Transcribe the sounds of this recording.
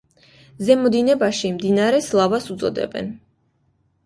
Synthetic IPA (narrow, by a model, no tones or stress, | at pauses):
zɛmɔd̪inɛbaʃimd̪inaɾɛslˠavasut̪zʼɔ̰d̪ɛ̰bɛ̰n